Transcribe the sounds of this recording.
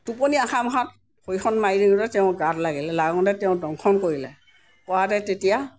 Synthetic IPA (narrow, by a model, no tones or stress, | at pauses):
tuponiaxamɔɦat̚ | xojxʰɔnmajɹiŋɔtɛtɛʊ̃ɡatlaɡilɛlaɡɔ̃dɛtɛʊ̃dɔŋkʰɔnkoɹilɛ | kɔwadɛtetija